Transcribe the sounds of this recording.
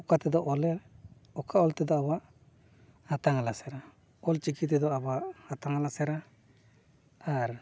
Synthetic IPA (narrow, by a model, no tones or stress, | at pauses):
ɔkat̪ɛd̪ɔʔɔlɛɾ | ɔkʰaɔlt̪ɛd̪ɔaβaʔ | hat̪aŋalasɛɾa | ɔlt͡ʃikit̪̬ɛd̪ɔabaʔhat̪aŋalasɛɾa | ɾ